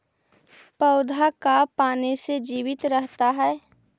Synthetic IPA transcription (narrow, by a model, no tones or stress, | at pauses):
pəʊd̪ʱakapaːnesed͡ʒiːwɪt̪ɾəɦt̪aɦɛː